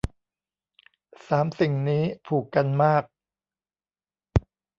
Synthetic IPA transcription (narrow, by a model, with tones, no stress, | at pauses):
saː˩˦msi˨˩ŋniː˦˥pʰuː˨˩kːa˧nmaː˥˩k̚